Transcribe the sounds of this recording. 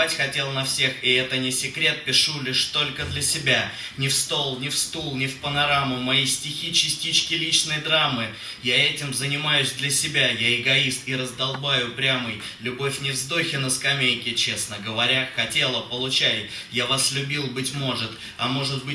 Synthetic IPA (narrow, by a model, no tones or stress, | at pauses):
atʲxɐtʲe̞lˠənɐfsʲe̞xɪɛt̪ənʲɪsʲɪkɾʲe̞t̪̚pʲɪʂulʲiʂt̪o̞lʲkəd̪lʲəsʲɪbʲa | nʲɪfst̪o̞lˠnʲɪfst̪ulˠnʲɪfpənɐɾamʊmɐjijsʲtʲɪxʲit͡ɕɪsʲtʲit͡ɕkʲɪlʲit͡ɕnəjd̪ɾamːɨ | jaɛtʲɪmzənʲɪmajʉsʲd̪lʲɐsʲɪbʲajaɪɡɐist̪iɾəzd̪ɐlˠbajʊpɾʲamɨj | lʲʊbo̞fʲnʲɪvzd̪o̞xʲɪnəskɐmʲejkʲɪt͡ɕe̞snəɡəvɐɾʲaxɐtʲe̞lˠəpəlˠʊt͡ɕætʲ | javaslʲʊbʲilˠbɨtʲmo̞ʐɨt̪ | ɐmo̞ʐɨt̪bɨ